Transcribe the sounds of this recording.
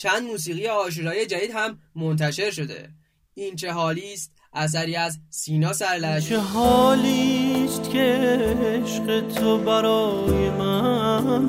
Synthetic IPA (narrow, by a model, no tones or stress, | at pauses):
t͡ʃʰænd̪muːsiːɣijeɒːʃ̬uːɾɒːjed͡ʒæd̪iːd̪hæmːo̞nt̪̬ʰæʃe̞ɾʃo̞d̪ḛ | iːnt͡ʃʰe̞ɦɒːliːst̪̚ | ʔæs̬æɾiːæzsiːnɒːsæɾlæʃt͡ʃeɦɒːliːst̪cʰʲeeʃɢet̪ʰobæɾɒːjemæn